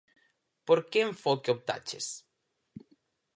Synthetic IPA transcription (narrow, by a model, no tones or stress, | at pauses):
poɾkeɱfokeop̚t̪a̰t͡ʃḛs